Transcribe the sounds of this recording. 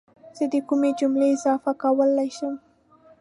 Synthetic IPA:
z̥əd̪əkumed͡ʒumleɪzɑfakawəlajʃəm

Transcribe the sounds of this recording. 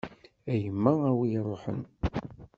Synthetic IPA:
æjəmːææwijrˤoħə̰n

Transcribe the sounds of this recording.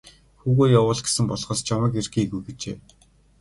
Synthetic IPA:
xuːɣoːjawʊːɮɡe̥sɘ̆mpɔɮχɔːst͡ɕʰamə̆kerxiːɣujɡet͡ɕḛː

